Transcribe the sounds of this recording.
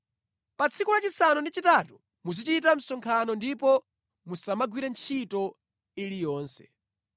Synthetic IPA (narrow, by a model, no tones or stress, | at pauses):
pat͡sʰikulat͡ʃisanundit͡ʃitatu | muzit͡ʃitam̩sɔŋkʰanɔndipɔ | musamaɡwiɾɛnt͡ʃʰitɔ | ilijɔːnsɛ̥̰